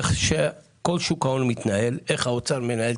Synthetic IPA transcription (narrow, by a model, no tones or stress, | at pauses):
χʃe | ko̞lʃukaonmit̪nae̞leχhaot͡saʁmenael